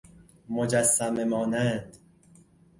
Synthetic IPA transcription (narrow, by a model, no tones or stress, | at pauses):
mod͡ʒæsːæmemɒːnænd̪